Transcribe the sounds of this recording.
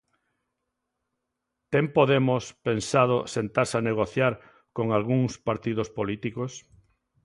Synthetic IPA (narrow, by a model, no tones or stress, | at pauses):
t̪empoðemospensað̞osent̪aɾsaneɣ̞oθjaɾ | koŋalɣuŋspaɾt̪ið̞ospolit̪ikos